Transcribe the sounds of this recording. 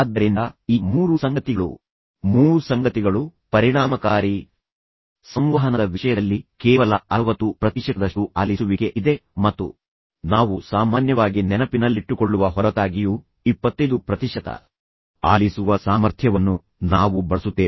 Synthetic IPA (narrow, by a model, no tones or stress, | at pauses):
d̪ːɐɾind̪ɐiːmuːɾusɐŋɡɐt̪iɡɐɭṵ | muːɾusɐŋɡɐt̪iɡɐɭupɐɾiɳaːmɐkaːɾi | sɐmʋɐɦɐnɐd̪ɐʋiʂɐjɐd̪ɐlːikɛːʋɐlɐɐʋɐt̪upɾɐt̪iʂɐt̪ɐd̪ɐʂʈuʔaːlisuʋiɡe̞ʔid̪e̞mɐt̪ːṵ | naːʋusaːmaːnjɐʋaːɡinɛnɐpinɐlːiʈːukoɭːuʋɐɦɔɾɐt̪aːɡiju | ipːɐt̪ːɐjd̪upɾɐt̪iʂɐt̪ɐ̰ | a̰ːlisuʋɐsaːmɐɾt̪ʰjɐʋɐnːu | naːʋubɐɭɐsut̪ːeː